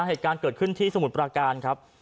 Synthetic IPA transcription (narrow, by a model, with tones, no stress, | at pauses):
ɦeː˨˩t̪̚kaː˧nkɤː˨˩t̪̚kʰɯ˥˩nt̪ʰiː˥˩sa˧mu˨˦t̪̚pɾaː˧kaː˧nkʰɾa˦˥p̚